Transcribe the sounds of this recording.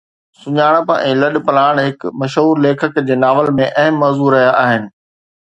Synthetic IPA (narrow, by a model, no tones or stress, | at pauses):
sʊɲaːɽ̃əpɛ̰̃ːlɐɗpɐlaːɽ̃ɦɪkmɐʃɦuːɾleːkʰəkd͡ʑeːnaːʋəlmẽʔɐɦəmːɐːzuɾɐɦijaʔaːɦɪnɪ̆